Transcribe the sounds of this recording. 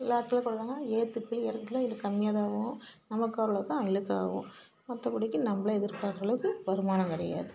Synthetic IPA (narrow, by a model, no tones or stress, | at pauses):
ɪlaːʈːɪlɐkɔɭːaːŋɡɐeːt̪ːɯkːɯɭɛɾɐkːɪlaɪlɯkːɐmɪjaːðaːʋʊ̃nɐmɐkːaːɾɐlɐt̪ãːɪlɯkːa̰ːʋʊ̰̃ | mɐt̪ːɐpɪɽɪkːɯnɐmbɐɭɐɛðɪɾkːaːkɾɐɭɐʋɯkːɯʋɐɾɯmaːnɐ̃mkɪɽɐ̰ja̰ːðɯ